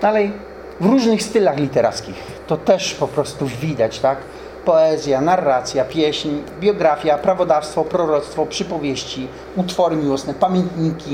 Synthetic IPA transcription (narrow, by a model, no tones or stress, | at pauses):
d̪alɛj | vɾuʐnɘxst̪ɘlaxlʲit̪ɛɾa̰t̪skʲix | t̪ɔt̪ɛʂpɔpɾɔst̪uvʲid̪at͡ɕt̪ak | pɔɛzʲjanarːat̪sʲjapʲjɛɕɲbʲjɔɡɾafʲjapɾavɔd̪afst̪fɔpɾɔɾɔt̪st̪fɔpʂɘpɔvʲjeɕt͡ɕi | ut̪fɔɾɘmʲiwɔsnɛpamʲjɛnt̪ɲikʲi